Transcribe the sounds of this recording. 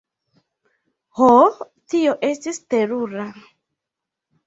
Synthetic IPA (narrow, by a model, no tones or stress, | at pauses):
ho | tioʔestisteɾuɾa